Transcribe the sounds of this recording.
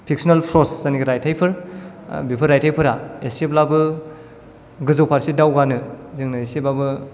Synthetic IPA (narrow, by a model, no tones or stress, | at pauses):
pʰik̚sɔnalpʰɾɔszaniɡiɾajtʰajpʰɯɾ | bipʰɯɾːajtʰajpʰɯɾaeseplabɯ | ɡɯzowpʰaɾsidawɡanɯzɯŋnɯesepabɯ